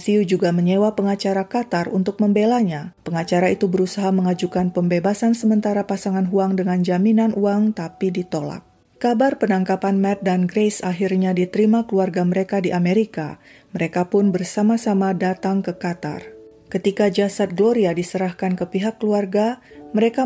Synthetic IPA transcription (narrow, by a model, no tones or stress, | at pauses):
siud͡ʒuɡaməɲewapəŋat͡ʃaɾakat̪arunt̪ʊk̚məmbelaɲapəŋat͡ʃaɾait̪ubəɾusaɦaməŋad͡ʒukanpəmbebasansəmənt̪aɾapasaŋanɦuaŋdəŋand͡ʒaminanuaŋt̪apidit̪ola̰k̚ | kabarpənaŋkapanmɛt̪̚danɡɾesaɦirɲadit̪əɾimakəluarɡaməɾekadiʔameɾika̰ | məɾekapʊnbərsamasamadat̪aŋkəkat̪a̰r | kət̪ikad͡ʒasat̪̚ɡəloɾiadisəɾahkankəpiɦakːəluarɡaməɾeka